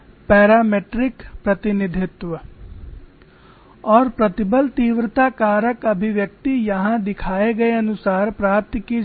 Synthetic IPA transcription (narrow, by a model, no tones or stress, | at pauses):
pɛːɾaːmeːʈɾɪkpɾɐt̪ɪnɪd̪ʱɪt̪wə | ɔːɾpɾɐt̪ɪbəlt̪iːʋɾət̪akaːɾəkɐbʱɪʋjɐk̚t̪ijɐɦãd̪ɪkʰaːeɡɐeɐnʊsaːɾpɾaːp̚t̪ki